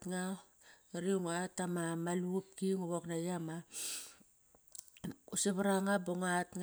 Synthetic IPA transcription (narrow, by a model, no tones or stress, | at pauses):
tŋa | ɾiuŋatamamalup̚kiŋuβoknajama | useβaɾaŋaboŋatŋ